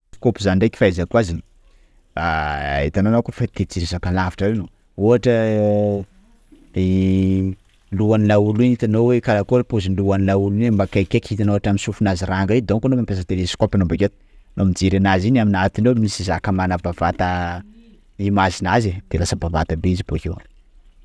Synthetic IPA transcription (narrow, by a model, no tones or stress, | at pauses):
kopuzanɳɖ͡ʐeki̥fajzakuazini̥ | a̰et̪ananakufat̪et͡siɾisakalavi̥ʈ͡ʂəweno | oaʈ͡ʂə | i | luanilaulinit̪anowekalakolpuzinluanilauluiembakakekʲit̪anoaʈ͡ʂaminsufunaziraŋɡed̪oŋkanomimpes̬əkt̪elesi̥kopʲanombaket̪u̥ | nomid͡zeɾanazinaminat̪inemisizakəmanavavat̪ə | imazinazed̪̥elasəbavat̪abeizibokew